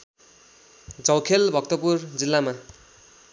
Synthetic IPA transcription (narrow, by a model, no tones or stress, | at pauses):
d͡zʌwkʰelbʱʌk̚t̪ʌpurd͡zilːama